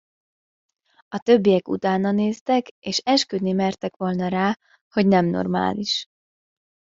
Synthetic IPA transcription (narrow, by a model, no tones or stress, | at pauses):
ɒt̪ø̞bːijɛkṵt̪aːnɒneːst̪ɛkeːʃɛʃkød̪nimɛrt̪ɛkʋo̞lnɒɾaː | ho̞ɟnɛmno̞̰rma̰ːliʃ